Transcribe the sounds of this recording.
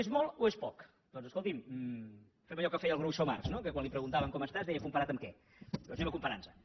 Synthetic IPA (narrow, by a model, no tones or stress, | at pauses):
ezmɔlˠoespɔk | d̪ɔnzəskolˠt̪im | fɛməʎɔkəfɛjəlˠɣɾowsoma̰rznokəkwanlipɾəɣunt̪aβəŋkɔməst̪azðɛjəkumpɐɾat̪əmkɛ | oʒeməkumpəɾansə